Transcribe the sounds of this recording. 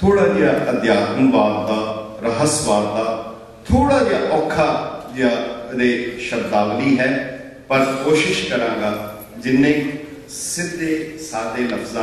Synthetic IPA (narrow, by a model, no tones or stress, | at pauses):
t̪ʰoːɽaːd͡ʒaːʔəd̪jaːt̪ənʋaːɾ̚t̪aː | ɾəɦəsʋaːɾt̪aː | t̪ʰoːɽaːd͡ʒaːʔɔːkʰaːd͡ʒjaːɾeːʃəd̪aːʋliːɦɛː | pəɾkoːʃɪʃkəɾãːŋɡaː | d͡ʒɪnːẽː | sɪd̪ːeːsaːd̪eːləfʰzaː